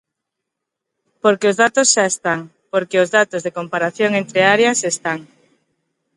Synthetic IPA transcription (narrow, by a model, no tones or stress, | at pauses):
poɾkeʊzðat̪ʊsʃaest̪aŋ | poɾkeʊzðat̪ʊzðekompaɾaθjoŋent̪ɾeaɾjasest̪aŋ